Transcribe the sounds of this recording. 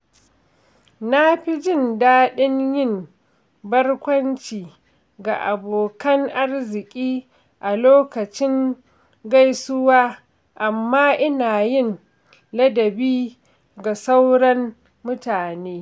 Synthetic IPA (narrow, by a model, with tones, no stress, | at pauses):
na˦ɸi˦d͡ʒɪ˦˨ndaː˦ɗɪ˦ɲjɪ˦˨m | bɐ˦rkʷɐ˦nt͡ʃiː˨ | ɡa˨ʔa˨boː˨kɐ˦ŋʔa˦rzɪ˨kʲʼiː˦ | ʔa˨loː˦kɐ˨t͡ʃɪ˦ŋ | ɡa˦jsʊ˦waː˦ | ʔa˨mːaː˦ʔɪ˦naː˨jɪ˦n | lɐ˦dɐ˨biː˦ | ɡa˨sa˦wɽɐ˦mː | ʊ˦taː˨neː˦